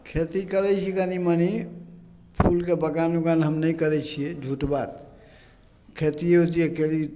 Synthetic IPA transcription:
kʰet̪ikəɾɛt͡ʃʰikəniməni | pʰulkebəkanukanɦəmnəjkəɾɛt͡ʃʰied͡ʒʱuʈbat̪ | kʰet̪iɦot̪̬iekeli

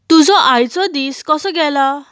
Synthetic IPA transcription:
t̪ud͡zɔʔajt͡sɔd̪iskɔsɔɡɛla

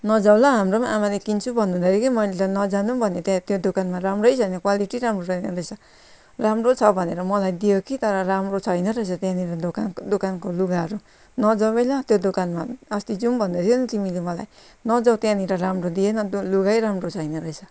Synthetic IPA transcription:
nʌd͡zawlaɦamɾomaʔamalekint͡sʰubʱʌndud̪aɾikimʌjlet̪ʌnʌd͡zanubʱʌnet̪at̪jod̪okanmaɾamrʌjsʰʌjnʌkwaliʈiɾamroɾʌjnʌɾʌjsʰʌ | ramrot͡sʰʌbʱʌneɾʌmʌlajd̪ijokit̪ʌɾʌɾamrot͡sʰʌjnʌɾʌisʰʌt̪jãniɾʌokand̪okankoluɡaɦɾu | nʌd͡zʌbʌjlat̪jod̪okanmaʌst̪id͡zumbʱʌnd̪at̪ʰjonʌt̪imilemʌla̰j | nʌd͡zʌwt̪jãniɾʌɾamrod̪ienʌluɡajɾamrot͡sʰʌjnʌɾʌjsʰʌ

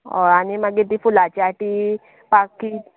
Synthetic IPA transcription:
o̰animəɡet̪̬ifulat͡ɕaʈi | paki

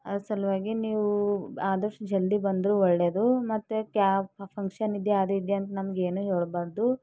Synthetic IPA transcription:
ɐd̪usɐlʋaːɡiniːʋuaːd̪ɐʂʈud͡ʒɐld̪ibɐnd̪ɾuːɔɭːeːd̪umɐt̪ːukjaːppʰɐŋkʂɐnid̪eaːd̪ɐid̪eɐnt̪ɐnɐmɐɡeːnuɦeːɭbaːɾd̪u

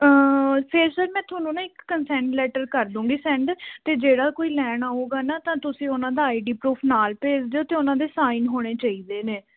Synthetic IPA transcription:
əpʰɪɾsəɾmɛ̃ːt̪ʰoːnũːnãːɪkːənsɛ̃ːɳʈlɛːʈəɾkəɾd̪ũːɡiːsɛ̃ːɳɖt̪eːd͡ʒeːɽaːkoːiːlɛːɳ̃aːɦoːɡaːnaːt̪ãːt̪ʊsĩːʊnãːd̪aːiːɖiːpɾuːpʰnaːlpeːd͡ʒd̪eːoːt̪eːʊnãːd̪eːsaːiːnɦoːɽ̃eːt͡ʃaːiːd̪eːneː

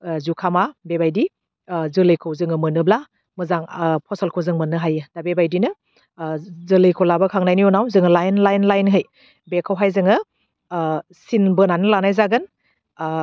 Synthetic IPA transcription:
zukʰamabebajdi | zɯlɯjkʰɯwzɯŋɯmɯnɯbla | mɯzaŋpʰɔsalkʰowzɯŋmɯnɯɦajɯd̥abebajdinɯ | zɯlɯjkʰowlabakʰaŋnajnijɔnawzɯŋɯlajnlajnlajnɦɯj | bekʰawɦajzɯŋɯ | sinbɯnanɯlanajzaɡɯn

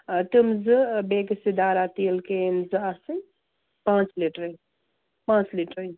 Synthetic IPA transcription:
t̪ɨmzɨbeksid̪aːɾat̪ilkenzɨasɨ | pãːt͡ʃliʈɾə | pãːt͡ʃliʈɾə

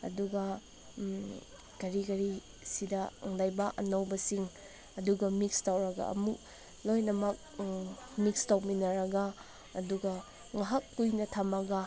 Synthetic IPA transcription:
ɐ̰duɡɐ | kɐɾikɐɾi | sidɐŋlajbaʔɐ̰nɐwbɐsiŋ | ɐduɡɐmik̚stawɾɐɡɐ̰ɐ̰muk̚ | lojnɐmɐk̚ | mik̚stawminɐɾɐɡɐː | duɡɐ | ŋɐɦakːujnɐtʰɐmɐɡɐ

